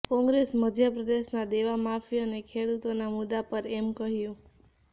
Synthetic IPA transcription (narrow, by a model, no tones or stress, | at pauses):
kɔ̃ŋɡɾesməd̪ʱjəpɾəd̪eʃnad̪eʋamafiənekʰeɽut̪onamʊd̪apəɾɛmkəɦjũ